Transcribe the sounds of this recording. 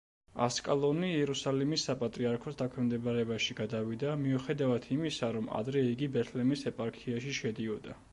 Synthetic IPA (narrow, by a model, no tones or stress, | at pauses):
a̰skʼalˠɔniɛɾusalimisːapʼat̪ʼɾiaɾkʰɔsd̪akʰwɛmd̪ɛbaɾɛbaʃiɡad̪avid̪amiuχɛd̪avat̪ʰimisaɾɔma̰d̪ɾɛiɡibɛt̪ʰlɛmisɛpʼaɾkʰiaʃiʃɛd̪iɔd̪a